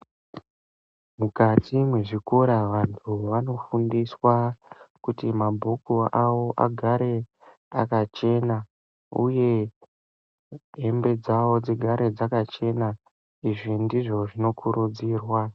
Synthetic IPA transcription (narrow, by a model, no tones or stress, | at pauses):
mukatʰimwe̞ʐikoɾaʋantʰuʋano̞fundiswakutimabʱokuawo̞ʔa̰ɡʱaɾe̞ | akat͡ʃe̞na | ṵje̞ | ɦembe̞d͡zawo̞d͡ziɡʱaɾe̞d͡zakat͡ʃe̞na | iʐindiʐo̞ʐino̞kʰuɾud͡ziːrwa